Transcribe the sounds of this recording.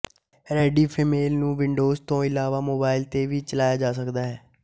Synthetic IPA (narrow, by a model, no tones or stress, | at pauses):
ɾɛːɖiːpʰiːmeːlnũːʋɪɳɖoːzt̪õːɪlaːʋaːmoːbaːɪlt̪eːʋiːt͡ʃəlaːjaːd͡ʒaːsəkd̪aːɦɛː